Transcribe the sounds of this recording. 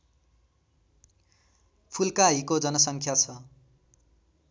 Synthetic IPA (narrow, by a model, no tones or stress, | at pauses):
pʰulkaɦikod͡zʌnʌsʌŋkʰjat͡sʰʌ